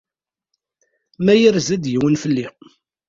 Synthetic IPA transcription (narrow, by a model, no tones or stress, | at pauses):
mæjəɾzæd̪jəwənfəlːi